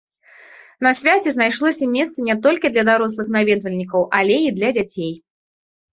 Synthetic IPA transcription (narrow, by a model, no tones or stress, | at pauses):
nɐsʲvʲat͡sʲɛznajʂlˠɔsʲɐmʲɛt̪st̪ɨnʲɛt̪ɔlʲkʲid̪lʲɐd̪aɾɔs̬lˠɨxnavʲɛd̪vɐlʲnʲikɐwʔɐlʲeid̪lʲɐd͡zʲat͡sʲej